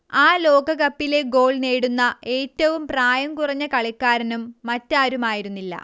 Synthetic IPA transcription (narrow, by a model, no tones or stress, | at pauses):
aːlo̞ːɡɐɣɐpːile̞ɡo̞ːɭneːɽunːɐe̞ːtːɐʋumpraːjɐmkurɐɲːɐkɐɭikːaːɾɐnumːɐtːaːɾumaːjiɾunːilːɐ̰